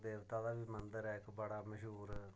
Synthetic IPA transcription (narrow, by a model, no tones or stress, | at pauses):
d̪eːʋt̪aːd̪aːbiːmənd̪əɾɛːɪkbəɽaːməʃuːɾ